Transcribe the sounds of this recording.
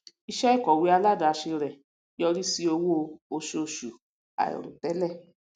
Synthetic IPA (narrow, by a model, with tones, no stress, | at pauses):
i˧ʃɛ˦i˦˨kɔ˨wi˨˦a˧la˦da˨˧ʃe˧ɾɛ˨ | jɔ˧ɾi˦si˧o˧wo˦˧o˧ʃo˧ʃu˨ | a̰˨ɔ̰˨ɾṵ̃˨tɛ˨˦lɛ˦˨